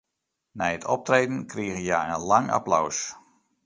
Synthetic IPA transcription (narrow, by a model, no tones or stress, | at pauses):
najətʰɔp̚treːdənkriəɣəjaːənlɑŋa̰plaws